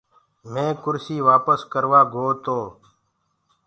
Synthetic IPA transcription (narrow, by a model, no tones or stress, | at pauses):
mẽːkʊɾsiːʋaːpəskəɾʋaːɡʱoːt̪oː